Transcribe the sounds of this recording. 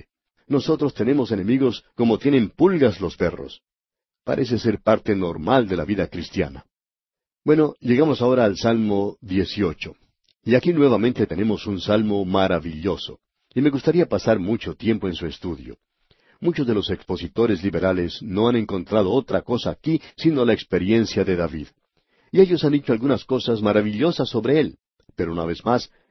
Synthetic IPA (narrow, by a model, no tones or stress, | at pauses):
no̞so̞t̪ɾo̞st̪e̞ne̞mo̞se̞ne̞miɣo̞sko̞mo̞t̪je̞ne̞mpulɣaslo̞spe̞ro̞̰s | pa̰ɾʔe̞s̬e̞se̞ɾpaɾt̪e̞no̞ɾmald̪e̞laβiðakɾist̪ja̰na̰ | bwe̞no̞ʝe̞ɣamo̞sao̞ɾaːlsalmo̞ðje̞sio̞t͡ʃo̞ | iakinweβamẽ̞nt̪e̞t̪e̞ne̞mo̞sunsalmo̞maɾaβiʎo̞so̞̰ | ime̞ɣust̪aɾiapasaɾmut͡ʃo̞t̪je̞mpo̞ensue̞st̪uðjo̞̰ | mut͡ʃo̞zðe̞lo̞se̞kspo̞sit̪o̞ɾe̞sliβe̞ɾale̞sno̞anẽ̞ŋko̞nt̪ɾaðo̞ot̪ɾako̞saːkisino̞laekspe̞ɾje̞nsjaðe̞ðaβið | ie̞ʎo̞sand̪it͡ʃoalɡunasko̞sasmaɾaβiʎo̞sasːo̞βɾe̞e̞l | pe̞ɾounaβe̞zmas